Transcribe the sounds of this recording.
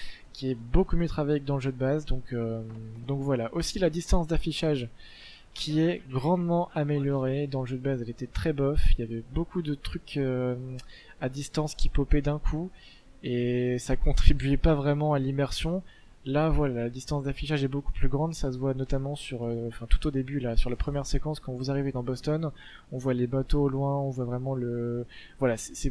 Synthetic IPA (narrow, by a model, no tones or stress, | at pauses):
kʲiɛbokumjøt̪χavajekəd̪ɑ̃ləʒød̪əbazd̪ɔ̃kød̪ɔ̃kvwalaʔosilad̪ist̪ɑ̃sd̪afiʃaʒ | kʲʰiɛɡʁɑ̃d̪mɑ̃ʔameljɔʁed̪ɑ̃ləʒød̪əbazɛlet̪ɛt̪χɛbɔfiljavɛbokud̪ət̪χykʰø | ad̪ist̪ɑ̃skʲipɔpɛd̪ɛ̃kʰu | esakɔ̃t̪χibyɛpavʁɛmɑ̃alimɛʁsjɔ̃ | lavwalalad̪ist̪ɑ̃sd̪afiʃaʒɛboku̥plyɡʁɑ̃d̪sasəvwanɔt̪amɑ̃syʁøɑ̃fɛ̃t̪u̥t̪od̪ebylasyʁlapχəmjɛʁsekɑ̃skɑ̃vuzaʁived̪ɑ̃bɔst̪ɔn | ɔ̃vwalebat̪oːlwɛ̃ɔ̃vwavʁɛmɑ̃lə | vwalasɛ̥sɛ